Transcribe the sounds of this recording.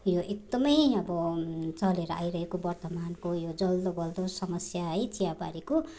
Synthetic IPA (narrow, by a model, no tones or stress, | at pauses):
joʔek̚d̪ʌmʌjʌbʌt͡sʌleɾʌa̰jɾʌɦekobʌrt̪ʌmankojod͡zʌld̪obʌld̪osʌmʌsjaɦʌjt͡sijaba̰ɾiko